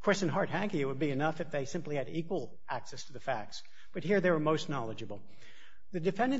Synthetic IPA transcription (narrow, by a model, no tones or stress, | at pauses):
kʰɹ̥ɪsɨ̃nɦɑɹt̚ɦæ̃ŋkiɨt̚wəd̚biɨnʌfɨfðeɪsɪ̃mpliɨɾikwəl̩ˠ | ʔæksɛstʰɨðɨfæk̚ts | b̥ʌt̚hiɹðeɪwə˞moʊstⁿnɑlˠəd͡ʒɨbl̩ˠ | ðɨdɨfɛ̃ndɨ̃n